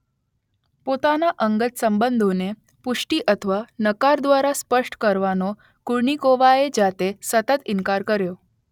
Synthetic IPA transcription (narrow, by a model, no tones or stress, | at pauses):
pot̪anaʔəŋɡət̪səmbənd̪ʱone | puʂʈiːʔət̪ʰʋanəkaɾd̪ʋaɾaspəʂʈkəɾʋano | kuɽɳikoʋaed͡ʑat̪esət̪ət̪inkaɾkəɾjo